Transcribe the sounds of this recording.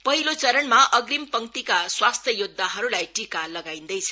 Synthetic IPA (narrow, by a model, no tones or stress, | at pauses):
pʌɦilot͡sʌɾʌnmaʔʌɡɾimpʌŋt̪ikaswast̪ʰjʌjud̪ʱːaɦʌɾulajʈikalʌɡaĩnd̪ʌjt͡sʰʌ̥